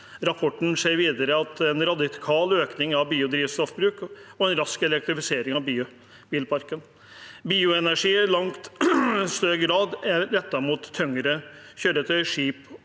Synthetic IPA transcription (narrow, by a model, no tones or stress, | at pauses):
ɾɑpʰɔʈːɳ̩seːɾʋiːd̪əɾəɑt̪ɛnɾɑd̪ɪkʰɑːløːknɪŋɑʋbiːʊd̪ɾiːʋst̪ɾɔfbɾʉːkɔɛnɾɑskɛlɛk̚t̪ɾɪfɪseːɾɪŋɑʋbiːʊ | b̥iːlpʰɑɾkən | biːʊɛnæʂiːlɑŋt̪st̪øːɡɾɑːd̪æɾɾɛt̪ːɑmuːt̪ʰːœŋəɾə | çøːɖət̪ʰœʏəʂiːp